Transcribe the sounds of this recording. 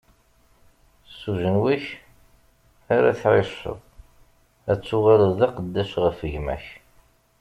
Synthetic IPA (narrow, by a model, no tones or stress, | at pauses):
suʒənwiç | aɾæ̰θʕɪʃə̰ðˤ | æt͡sːʊʁaləðɑqəd̪ːæʃʁəfəʝmæ̰ç